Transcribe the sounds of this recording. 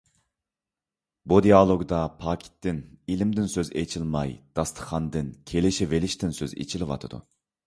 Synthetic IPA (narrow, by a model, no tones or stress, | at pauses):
bud̪ijɑlˠoɡd̪ɑpʰɑːkʲʰi̥t̪ːɪnilɪmd̪ɪnsøzet͡ʃʰilˠmɑjd̪̥ɑst̪ʰə̥χɑnd̪ɨnkʲʰelɪʃivelɪʃt̪ɪnsøzḛt͡ʃʰilɪwɑ̰t̪ʰɨd̪ṵ